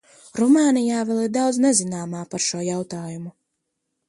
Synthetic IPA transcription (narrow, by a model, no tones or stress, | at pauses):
ɾumaːnijaːvɛlˠiɾd̪awd̪znɛzinaːmaːpaɾʃuɔjawt̪aːjumu